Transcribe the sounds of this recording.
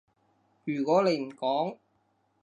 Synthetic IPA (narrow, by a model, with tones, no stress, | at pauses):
jyː˨˩kɔː˨˥le˨˧jm̩˨˩kɔː˨˥ŋ